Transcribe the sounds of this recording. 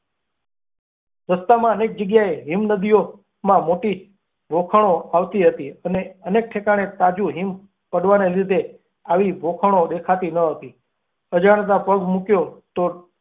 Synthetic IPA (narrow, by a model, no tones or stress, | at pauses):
ɾəst̪amãənek̚d͡ʒəɡjaeɦimnəd̪ijo | mãmoʈi | bʱokʰəɳ̃oaʋt̪iɦət̪iəneənek̚ʈʰekaɽ̃et̪ad͡ʒuɦim | pəɽʋanelid̪ʱe | aʋibʱokʰəɽ̃oɗ̪ekʰat̪inəɦət̪i | əd͡ʒaɽ̃t̪̬ãpəɡmukjot̪o